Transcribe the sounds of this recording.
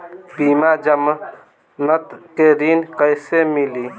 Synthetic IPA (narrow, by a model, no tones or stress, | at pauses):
bimad͡ʒəm | nət̪keɾinkəjsemili